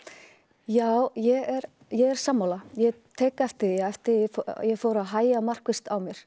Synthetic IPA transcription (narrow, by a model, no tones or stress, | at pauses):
jaːwjɛɣɛɾ | jɛɣɛɾ̥saːmːawlajɛt̪ʰɛːkaɛft̪ɪɛft̪ɪfjɛɣfoːwɾaðɦaːjamar̥kvɪst̪awmjɛɾ̥